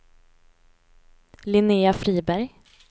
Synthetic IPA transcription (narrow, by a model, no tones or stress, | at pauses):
lɪneːafɾiːbæɾj